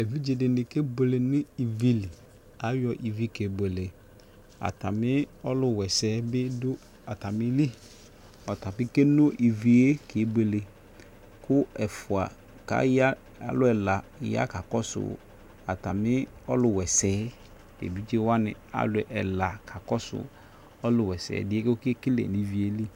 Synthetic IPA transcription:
e˨vi˦d͡ʒe˨dɪ˨nɪ˨ke˦be˨le˨nɪ˦i˨vi˨li˨ | a˨˦jɔ˨ʔi˨vi˦ke˨be˨le˨ | a̰˨ta˨mɪ˦ɔ˦lʊ˨wɛ˨sɛː˦bɪ˦dʊ˦ | a˨ta˨mɪ˦li˦ | ɔ˨ta˨pɪ˦ke˦no˦ʔi˨vi˨e˦kʰe˨˦be˨le˨ | kʊ˦ɛ˨fʊ˨a̰˨ | ka̰˨˦ja˦ | a̰˨lʊ˦ɛ˨la˨ja̰˦ka˨kɔ˦sʊ̰˨ | a˨ta˨mɪ˦ɔ̰˦lʊ˨wɛ˨sɛː˨˦ | ḛ˨bi˦t͡ʃe˦wa˦nɪ̰̃˨a̰˨lʊ˨ʔɛ˨la˨kʰa˨kɔ˦sʊ̰˨ | ɔ˦lʊ˨wɛ˨sɛ̰ː˨dɪ˦e˦kʊ˦kɪ˦kɪ˦lḛ˨ni˨˦vi˦e˦li˦

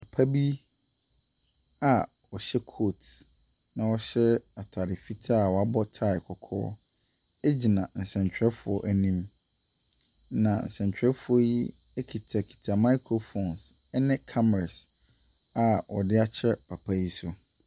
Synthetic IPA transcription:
pʰa˨pʰa˦bi˦ | a˨ | ɔ˨ɕɛ˦kʰo˦˨t | nã˨wɔ˨ɕɛ˦a˨tʰa˨ɾɪ˨fi˦tʰa˦˨wɔ˨a˦bɔ˦tʰa˦˨ɪ˨kʰɔ˨kʰɔ̰ː˦ | ɛ˦d͡ʑi˨nã˨n̩˨sɛ̃˨ɲ˨t͡ɕᶣɾɛ˦fʊ˨ɔ̰˨ʔæ˨nĩ˦m | nã˨n̩̰˨sɛ̃˨ɲ˨t͡ɕᶣɾɛ˦fʊ˨˦ɔ˦ji˦ | ɛ˦kʰi˨tʰa˨kʰi̥˨tʰa˨ma˦ɪ˦kʰɾo˨fo˨ns | ɛ˦nɪ̃˦kʰa˦mɛ˨ɾa˨s | a˨wɔ̰˨dɪ˦a˦t͡ɕʰɛ˦pʰa˨pʰa˦ji˦sʊ˦

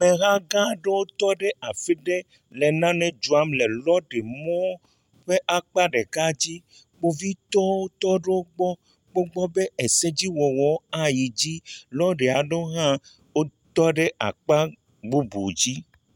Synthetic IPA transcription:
me˨ɣã˦ɡã˦ɖe˦wo˦t̪ɔ˦ɖe˦a˨fi˦ɖe˦ | le˨nã˦nɛ̃˦d͡ʒu˨a˦mle˨lɔ˦ɖe˨mɔ̃˦ | ɸe˦ʔa˦k͡pa˦ɖe˨ka˦d͡ʑi˦ | k͡po˦vi˦t̪ɔ˦wo˦t̪ɔ˦ɖe˦wo˦ɡ͡bɔ˦ | k͡po˦ɡ͡bɔ˦be˦e˨se˦d͡ʑi˦wɔ˨wɔ˨˦a˨ji˨d͡ʑi˦lɔ˦ɖe˨a˨ɖo˦ɦã˦ | wo˦t̪ɔ˦ɖe˦ʔa̰˨k͡pa˦ | ɡ͡bu˦bṵ˨d͡ʑi˦

